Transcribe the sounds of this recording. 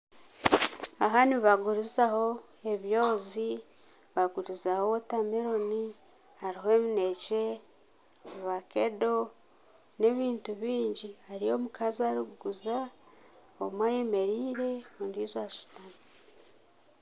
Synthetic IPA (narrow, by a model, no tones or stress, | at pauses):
aɦaniβaɡuɾizaho̞ | e̞βjo̞ːzi | βaɡuɾizahotameɾo̞ni | haɾiɦoemine̞ce | βakedo̞ | ne̞βiːntuβiːɲɟihaɾio̞mukazaɾuɡɡuza | o̰mwajeme̞ɾiːɾe̞ondiːzwaʃu̥tani